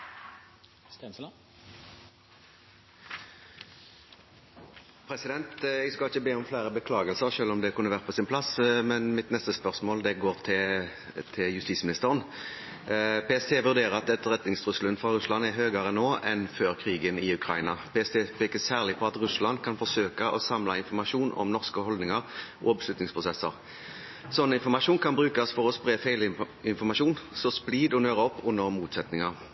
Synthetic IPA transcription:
pʰɾɛsɪd̪ɛnt̪ɛɡskɑlɪçəbeːɔmflæɪʁəbəkʰlɑːɡəlsəʁʃøːlɔmd̪ɛkʰʉnːəʋæːʁt̪pʰɔːsɪnpʰlɑsmɛnmɪt̪nɛst̪əspœʁsmoːld̪ɛɡoːʁt̪ʰɪ | t̪ʰɪljʉst̪iːsmɪnɪst̪əʁən | peɛst̪ʰeːʋʉʁd̪eːʁəʁɑt̪̚d̪ɛt̪ːəʁɛt̪nɪŋst̪ʁʉslənfʁɑʁʉslɑnɛɦøːɡɑʁənoːɛnføːʁkʰʁiːɡənɪʉkʰɾʁɑɪnɑpʰeɛst̪ʰeːpʰɛːkəsæːʁlɪpʰɔɑt̪ʁʉslɑnd̪kʰɑnfɔsøːkəʔɔsɑmlɑɪnfɔmɑʂuːnɔ̰mnɔʁskəhɔld̪nɪŋəʁʔɔ̰ɔbslʉt̪nɪŋspʰʁʊsɛsːə̰ʁ | sɔnːəɪnfɔmɑʂuːnkʰɑnbʁʉːkɑsfɔʁɔspʁeːfæɪl | ɪnfɔʁmɑʂuːnsɔspliːd̪ɔnøːʁəɔpːʊnːəɾmuːt̪sɛt̪nɪŋɑʁ

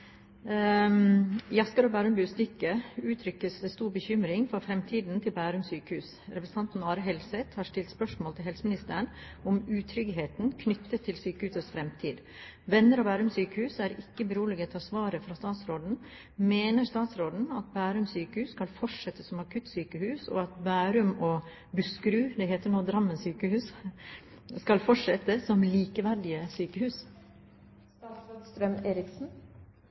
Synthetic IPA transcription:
jɑskɑɾobæːɾʉmbʉːst̪ʏkːəʉːt̪ʰɾʏkːəsd̪ɛst̪uːɾbəçʏmɾɪŋfɔɾfɾɛmt̪ʰiːd̪n̩t̪ʰɪlbæːɾʉmsyːkəhʉːs | ɾɛpɾsn̩ɑnt̪n̩ɑːɾəɦɛlsɛt̪hɑɾʂʈɪlt̪spœʂmoːlt̪ʰɪlɦɛlsəmɪnɪst̪əɾəɳ | ɔmʉːt̪ʰɾʏɡɦeːt̪nkʰnʏt̪ːət̪ʰːɪlsyːkəhʉːsəsfɾɛmt̪ʰiːd̪ | ʋɛnːəɾɑbæːɾʉmsyːkəhʉːsæɾɪkːəbəɾuːləɡət̪ʰɑːsʋɑːɾəfɾɑst̪ɑːt̪sɾoːd̪n̩ | meːnəɾst̪ɑːt̪sɾoːd̪n̩ɑt̪̚bæːɾʉmsyːkəhʉːsskɑlfɔʂɛt̪ːəsɔmɑkʰʉt̪syːkəhʉːsɔ̰ɑt̪bæːɾʉmɔ | bʉskɾʉːd̪ɛheːt̪əɳoːd̪ɾɑmːənsyːkəhʉːs | skɑlfɔʂɛt̪ːəsɔmliːkəʋæɾɖɪəsyːkəhʉːs | ɑt̪sod̪st̪ɾɛmeːɾɪksn̩

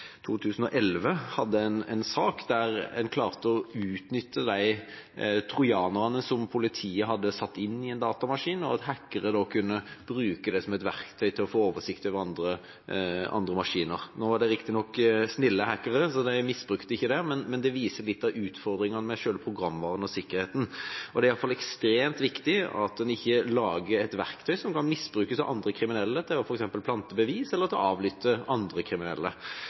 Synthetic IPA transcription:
t̪ʰuːt̪ʰʉːsən̩ɔʔɛlʋəhɑd̪ːəɛnɛ̰nsɑːkd̪æɾɛnkʰlɑːʁt̪əɔʉːt̪nʏt̪ːəd̪æɪ | t̪ʰʁʊjɑːnʊʁɑnəsɔmpʰʊlɪt̪ʰiːəɦɑd̪ːəsɑt̪ːɪnːɪɛnd̪ɑːt̪ɑmɑʂiːnɔɑt̪hækːəɾəd̪ɔkʰʉnːəb̥ɾʉːkəd̪ɛsɔmɛt̪ʋæʁkt̪ʰœʏt̪ʰɪlɔfoːoːʋəʂɪkt̪øʋəɑnd̪ʁə | ɑ̰nd̪ʁəmɑʂiːnəʁnoːʋɑɖɛɾɪkt̪ɪnɔkːsnɪlːəhækːəɾəsɔd̪ɛmɪsbʁʉkt̪ɪçːəd̪ɛmɛnmɛnd̪ɛʋiːsəlɪt̪ːɑʋʉːt̪fɔɾd̪ɾɪŋənəmɛʃøːləpʰɾʁʊɡɾɑmːʋɑːʁənɔsɪkːəɾheːt̪n̩ɔd̪ɛæɾɪɑləfɑlɛkst̪ɾeːmt̪ʋɪkt̪ɪɑ̰t̪̚d̪ɛnɪçːəlɑːɡəɾɛt̪ʋæʁkt̪ʰœʏsɔmkɑnmɪsːbɾʉːkəsɑʋʔɑnd̪ɾəkʰɾɪmɪnɛlːət̪ʰɪlɑfɔɾɛksɛmpəlpʰlɑnt̪əbəʋiːsɛlːəɾt̪ʰɪlɑːʋlʏːt̪ːəɑnd̪ɾəkʰɾɪmɪnɛ̰lːə

